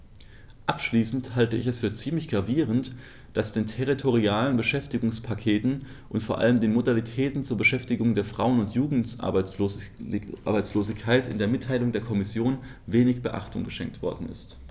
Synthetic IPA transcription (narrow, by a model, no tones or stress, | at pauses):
ʔapʃliːsn̩thaltəɪçɛsfyːɐt͡siːmlɪçɡ̥ʁaviːʁənt | d̥asd̥eːntʰɛʁitʰoʁ̞iaːlənbəʃɛftɪɡʊŋspʰakʰeːtn̩ | ʔʊntfoːɐʔa̰ləmdeːnmodalitʰɛːtn̩t͡suːɐbəʃɛftɪɡʊŋdeːɐfʁ̥aʊənʊntjuːɡŋ̩tː | a̰ɐbaɪt͡sloːzɪçkʰaɪtɪ̰ndeːɐmɪtʰːaɪlʊŋdeːɐkʰɔmɪsjoːn | veːnɪçb̥əʔa̰χtʰʊ̰ŋɡəʃɛ̰ŋktv̥ɔ̰ɐdn̩ɪ̰st